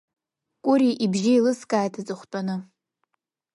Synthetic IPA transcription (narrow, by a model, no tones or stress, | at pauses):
kʷʼʊɾiʔibʒɪilɨskʼaːjtʰat͡sʼɨχʷtʼanɨ